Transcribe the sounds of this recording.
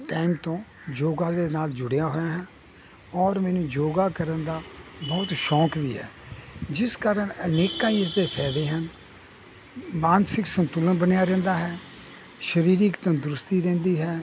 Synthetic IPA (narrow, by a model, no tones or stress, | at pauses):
ʈaːimt̪õː | d͡ʒoːɡãːd̪eːnaːld͡ʒʊɽejãːɦoːjãːɦɛ̃ː | ɔːɾmɛːnũːd͡ʒoːɡaːkəɾənd̪aːbɔːt̪ʃɔːkʋiːɦɛ̰ːd͡ʒɪskaːɾəɳəneːkãːiːɪs̬d̪eːpʰɛːd̪eːɦən | maːnsɪksənt̪ulənbənejaːɾɛ̃ːnd̪aːɦɛː | ʃəɾiːɾɪkt̪õːd̪ɾʊst̪iːɾɛ̃ːnd̪iːɦɛː